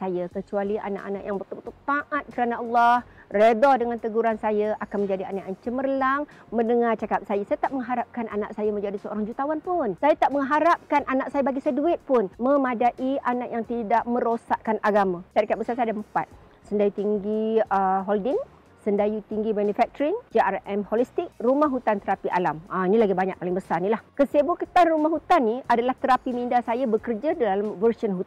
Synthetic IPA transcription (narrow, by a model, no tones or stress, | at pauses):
sajakət͡ʃualiʔa̰na̰ʔa̰na̰ʔja̰ŋbət̪ulbət̪ult̪aʔat̪̚kəɾanaɑlːɔhredɔdəŋant̪əɡuɾansajaʔakanmə̃ɲd͡ʒadianaʔant͡ʃəmərlaŋmə̃ndəŋat͡ʃakap̚sajasajət̪aʔməŋɦaɾap̚kanʔa̰na̰ʔ̚sajamə̃ɲd͡ʒadisəo̰ɾaŋd͡ʒut̪awanpʊnsajat̪aʔməŋɦaɾap̚kanʔanak̚sajabaɡisaduɪt̪̚pʊnməmadaʔiʔanaʔjaŋt̪idaʔ̚mə̃ɾosaʔ̪̚kanʔaɡamãsaɾikabəsasajadampa̰t̪̚ | səndajut̪iŋɡiəɦɔldɪŋ | səndajut̪iŋɡimanufɛk̚t̪ɾiŋd͡ʒiarɛmholist̪ɪk̚rumaɦut̪ant̪əɾapiʔa̰lamainĩlaɡibaɲak̚palɪŋbəsarnilahkəsebukət̪anrumahɦut̪anːiadalaht̪əɾapimindasajabəkərd͡ʒadaalamvərsənɦut̪